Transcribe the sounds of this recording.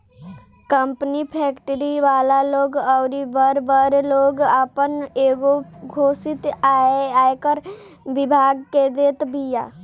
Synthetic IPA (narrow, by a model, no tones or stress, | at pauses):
kəmpnipʰɛkʈɾiʋaːlaloːɡɔʊɾibəɾbəɾloɡəpəneɡoɡʱoːsit̪aeaːekəɾbɪbʱaɡked̪eːt̪bija̰